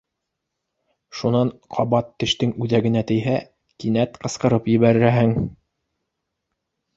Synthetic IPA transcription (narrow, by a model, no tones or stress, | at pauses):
ʃunɑɴqʰɑβɑt̪ːɘ̆ʃt̪ɘŋʉðæɡɘ̆næt̪ɘ̆jɦæ | kinæt̪qɤ̆sqɤ̆ɾɤpjɘ̆βæɾɘ̆ɾæɦɘŋ